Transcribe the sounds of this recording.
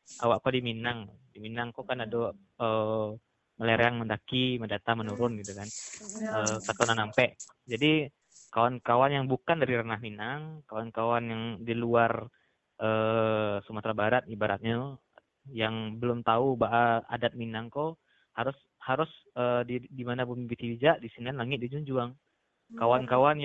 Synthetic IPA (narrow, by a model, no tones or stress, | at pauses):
ʔawaʔkodiminaŋdiminaŋkokanado | ə | məleɾeaŋməndakimədat̪amənuɾʊnɡit̪ukanəsakonanampɛʔ | d͡ʒadi | kawankawanjaŋbukandaɾiɾənahminaŋkawankawanjaŋdiluar | ʔəːsəmat̪ɾabaɾat̪̚ibaɾa̰t̪̚ɲa | jaŋbəlʊmt̪aubaʔaa̰dat̪̚minaŋko | haɾʊs | haɾʊs | ədidimanabmibit̪ibid͡ʒaʔdisinianlaŋɪt̪̚did͡ʒuɲd͡ʒuaŋ | kawankawanj